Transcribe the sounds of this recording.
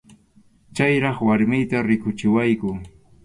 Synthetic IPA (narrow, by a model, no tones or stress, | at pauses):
t͡ʃajɾɑχwaɾmɪjt̪aɾɪkʊt͡ʃɪwajkʊ